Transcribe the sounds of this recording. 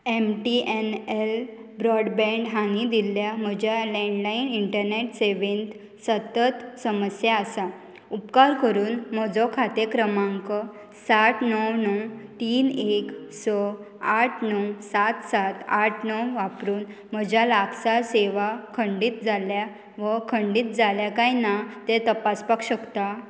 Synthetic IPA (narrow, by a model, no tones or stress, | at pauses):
emʈiʔenel | bɾɔɽbɛ̃ɳɖɦãnid̪ilːjam̤əd͡ʑjalɛ̃ɳɖlainiɳʈəɾneʈseʋent̪ | sət̪ət̪səməsjaːsa | upkaɾkəɾuːnmɔd͡zɔkʰat̪ekɾəmaŋkə | sat̪ʰnəwnɔwt̪iːneksɔ | aʈʰnəwsat̪sat̪aʈʰnəwʋapɾuːnm̤əd͡ʑjalakʰsaseʋakʰəɳɖiːt̪̚d͡zalja | ʋəkʰəɳɖiːt̪̚d͡zaljakajnat̪et̪əpaspakɕəkt̪a